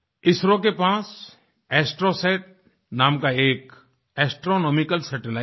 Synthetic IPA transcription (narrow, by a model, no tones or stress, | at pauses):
ɪsɾõkepaːs | ɛːsʈɾoseːʈ̚ | naːmkaeːk | ɛːsʈɾonɔːmɪkəlsɛʈɪlaː